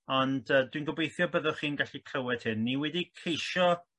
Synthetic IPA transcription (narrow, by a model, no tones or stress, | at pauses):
ɔnd̥əːdwinɡɔbejθjɔbəðɔχiːnɡaɬikʰr̥əwɛd̥hɪnːiwɛdikʰejʃɔ